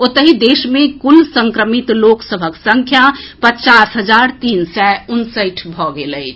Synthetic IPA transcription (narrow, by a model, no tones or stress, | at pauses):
ot̪əɦid̪esmẽkulsə̃ŋkɾəmit̪loksəbʱəksəŋkʰjapət͡ʃasɦəd͡ʒaɾt̪insɛunsəjʈʰbʱɔɡeləɪt͡ʃʰ